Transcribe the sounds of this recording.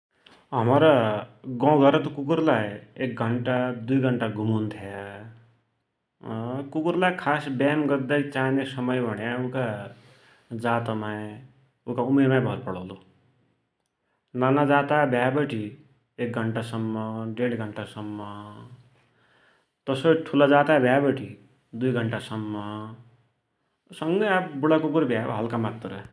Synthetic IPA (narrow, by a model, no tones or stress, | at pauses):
ɦʌmɾʌɡɔ̃ɡʱʌɾʌt̪kukuɾlajek̚ɡʱʌɳʈad̪ujɡʱʌɳʈaɡʱumunt̪ʰja | kukuɾlajkʰasbaːmɡʌd̪ːait͡saːnesʌmʌjbʱʌɽjaũka | d͡zaːt̪amae | ũkaumemãjbʱʌɾpʌɽʌlu | nanad͡zat̪abʱjabʌʈi | ek̚ɡʱʌɳʈasʌmːʌɖeɽiɡʱʌɳʈasʌmːʌ | t̪ʌsʌʈʰulad͡zat̪abʱjabʌʈi | d̪ujɡʱʌɳʈasʌmːʌ | sʌŋɡʌjabbuɽakukuɾbʱja̰ɦʌlkamat̪rʌ